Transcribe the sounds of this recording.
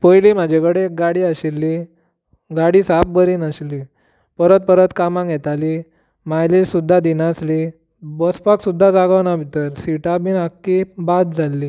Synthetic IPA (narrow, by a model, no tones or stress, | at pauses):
pəjlim̤ad͡ʑʱekəɽek̚ɡaɽiːaɕilːi | ɡaɽiːsap̚bəɾiːnəɕli | pəɾət̪̚pəɾət̪kamãŋɡʱjɛt̪ali | majlilsud̪ʱːad̪inasli | bəspaksud̪ʱːad͡zaɡaʋnabʱit̪əɾsiʈabiːnakːibad̪̚d͡zʱalːi